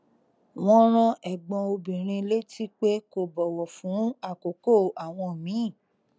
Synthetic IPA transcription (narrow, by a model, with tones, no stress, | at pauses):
w̃ɔ̃˦ɾ̃ɔ̃˧ʔɛ˨ɡ͡bɔ̃˧o˧bĩ˨ɾ̃ĩ˧le˦tʰi˦k͡pe˦ko˦˨bɔ˨wɔ˨fũ˨˦a˦˨ko˨ko˦˨a˨w̃ɔ̃˧˨mĩ˨˦˨